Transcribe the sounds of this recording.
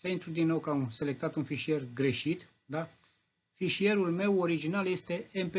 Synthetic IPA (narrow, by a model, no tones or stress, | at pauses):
saint̪ɾud̪inːo̞wkaunse̞le̞k̚t̪at̪unfiʃie̞rɡɾe̞ʃit̪ | d̪a | fiʃie̞ɾulme̞wo̞ɾid͡ʒinalje̞st̪e̞empe